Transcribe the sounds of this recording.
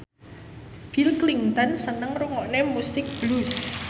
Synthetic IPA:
b̥ilkliŋt̪ɔnsənəŋruŋɔʔnemust̪ɪk̚b̥lus

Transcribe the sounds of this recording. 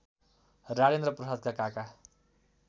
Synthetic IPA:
raɽend̪rʌprʌsad̪̚kakaka

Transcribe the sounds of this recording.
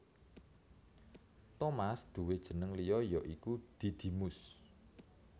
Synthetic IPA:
t̪omasd̪̥ṳwed̥ʒ̥ə̤nəŋlijɔjɔʔikud̪̥i̤d̪̥i̤mʊs

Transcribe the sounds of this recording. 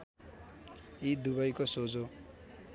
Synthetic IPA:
id̪ubʌjkosod͡zo

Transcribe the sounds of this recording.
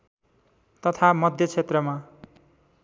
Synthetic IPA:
t̪ʌt̪ʰamʌd̪ʱjʌt͡sʰet̪rʌma

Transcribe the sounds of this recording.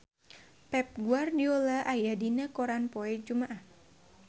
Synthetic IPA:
pɛp̚ɡuardiɔlaʔajadinakɔɾanpɔɛd͡ʒumaʔah

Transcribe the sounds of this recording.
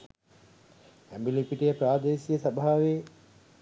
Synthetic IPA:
æmbilipiʈijəpɾaːd̪eːsijəsabʱaːʋeː

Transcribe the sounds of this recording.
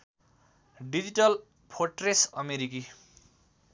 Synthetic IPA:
ɖid͡ʑiʈʌl | pʰoʈresʌmeɾiki

